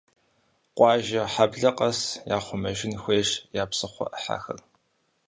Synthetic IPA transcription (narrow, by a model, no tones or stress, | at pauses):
qʷʼɑːʒɐħabɮɐqʼɐsjaːχʷʊmɐʒɪnxʷeːʂjaːpsɨχʷɔ̰ʔəħa̰ːxɐ̰r